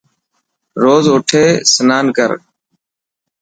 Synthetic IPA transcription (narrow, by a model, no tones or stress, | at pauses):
ɾoːzʊʈʰeːsənaːnkəɾ